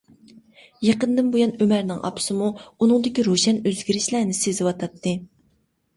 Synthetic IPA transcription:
jeqənd̪ɨnbojɑnømæɾnɪŋɑ̰pʰɨ̥sɨmuunɨŋd̪ɪkʲiɾoʃɛnøzɡʲiɾɪʃlænɪsezɪwɑt̪ʰɑt̪ʰːɨ

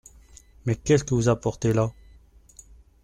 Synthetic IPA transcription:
mɛkʲɛskəvuzapɔʁt̪ela

